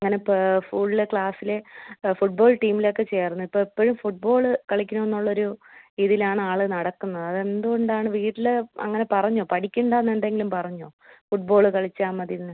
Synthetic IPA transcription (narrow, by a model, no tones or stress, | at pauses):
ɐŋːɐne̞fuːɭilekɭaːsile̞fuʈ̚bo̞ːɭʈiːmilo̞kːe̞t͡ɕe̞ːrnːuipːoːipːoɻumfuʈ̚bo̞ːɭɨkɐɭikʲːunːonːuɭːɐo̞ɾuiðilaːɳɨaːɭɨnɐɽɐkːunːɐðɨɐðe̞nd̪uɣoɳɖaːɳɨʋiːʈːilɐ̰ŋːɐne̞pɐrɐɲːoːpɐʈʰikʲːuɳɖaːnːenɖe̞ŋɡilumpɐrɐɲːoːfuʈ̚bo̞ːɭɨkɐɭit͡ɕːaːmːɐðinːɨ